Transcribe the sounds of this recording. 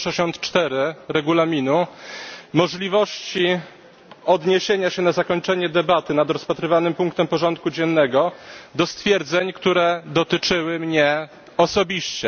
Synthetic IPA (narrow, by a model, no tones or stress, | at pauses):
ʂɛɕɔnt̪t͡ʂt̪ɛɾɘɾɛɡulamʲinu | mɔʐlʲivɔɕt͡ɕi | ɔd̪ɲeɕeɲaɕɛnazakɔɲt͡ʂɛɲɛd̪ɛbat̪ɘnad̪ɾɔspat̪ɾɘvanɘmpuŋk̚t̪ɛmpɔʐɔnt̪̚kud͡ʑɛnːɛɡɔd̪ɔst̪fʲjɛɾd̪zɛɲkt̪uɾɛd̪ɔt̪ɘt͡ʂɘwɘmɲɛ | ɔsɔbʲiɕt͡ɕɛ